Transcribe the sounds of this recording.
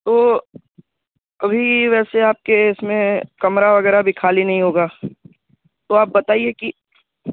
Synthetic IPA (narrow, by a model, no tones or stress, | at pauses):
t̪oː | ɐbʱiʋɛːseaːp̚keɪsmẽkɐmɾaʋɐɡɛːɾabʱikʰaːlinɐɦĩɦoːɡaː | t̪oaːp̚bɐt̪aːieki